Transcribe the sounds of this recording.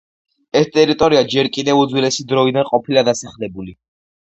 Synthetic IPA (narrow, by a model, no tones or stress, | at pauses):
ɛst̪ʼɛɾit̪ʼɔɾiad͡ʒɛɾkʼid̪ɛvud̪zwilɛsid̪ɾɔid̪anqʼɔpʰilad̪asaχlɛbuli